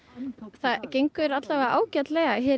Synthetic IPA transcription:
θaðcejŋkʏɾat̪lavɛʔa̰ːwcat̪lɛɣaɦɛ

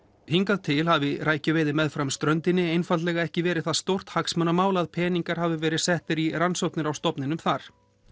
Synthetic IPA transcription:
hiŋkaðt̪ʰɪlhavɪɾaːjcʏveːjðɪmɛðfɾamst̪ɾœnt̪ɪnːɪejnfalt̪lɛːɣaɛhcɪvɛːɾɪðθaðst̪owr̥t̪haksmœnamaːwlaðpʰɛːniŋkaɾ̥havɪvɛːɾɪðsɛht̪ɪɾiransowhknɪɾawst̪ɔpnɪnʏmθaɾ̥

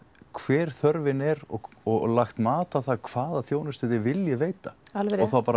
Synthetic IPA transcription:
kʰvɛːɾ̥θœɾvɪnɛɾɔɣɔɣlaxt̪maːt̪aθakʰv̥aːðaθjoːwnʏst̪ʏðɪvɪljɪveːjt̪aalɔɣθawpaːɾa

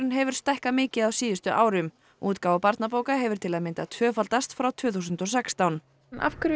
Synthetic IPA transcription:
ɪnɦɛvʏɾ̥st̪ahkamɪːcɪðaðwsiːðʏst̪ʏʔaːwɾʏm | uːt̪kaːwapaɾt̪napoːwkaɦɛvʏɾ̥t̪ʰɪlaðmɪnt̪at̪ʰvœːfalt̪ast̪fɾawt̪ʰv̥ʏːθusʏnt̪ɔsɛkst̪awn | na̰fkʏɾ

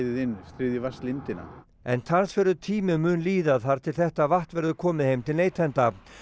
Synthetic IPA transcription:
ðɪðɪnːst̪ɾɪːðɪvast̪lɪnt̪ɪna̰ | ɛ̰nt̪ʰansfɪɾʏt̪ʰiːmɪmʏːnliːðaðθaɾ̥t̪ʰɪlθɛht̪avaht̪vɛɾðʏkʰɔːmɪhejmt̪ʰɪlneːjt̪ʰɛnt̪a

